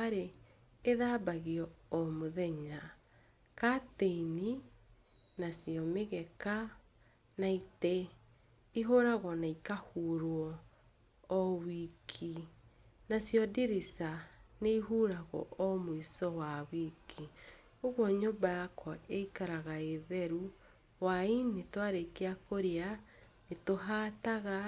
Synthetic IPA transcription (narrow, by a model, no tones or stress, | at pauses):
aɾeː | ðaːbaɣiɔːmoðɛɲa | kateini | nasiɔmeɣɛka | naite | iɦoɾaɣɔnaikahuːɾwɔ | ɔwikʰi | nasjɔdiɾisaneiɦuːɾaɣɔ̰ʔɔmwisɔwawikʰi | oɣwɔɲobajakʰwɔʔeikaɾaɣaeβɛɾu | wainetwaɾekeakoɾeanetoɦataɣa